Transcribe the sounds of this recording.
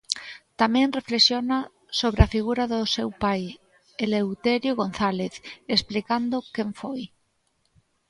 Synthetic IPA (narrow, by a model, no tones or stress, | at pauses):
t̪amẽnreflesjona | soβ̞ɾeafiɣ̞uɾaðosewpaj | elewt̪eɾjoɣõnθaleθesplikand̪okeɱfoj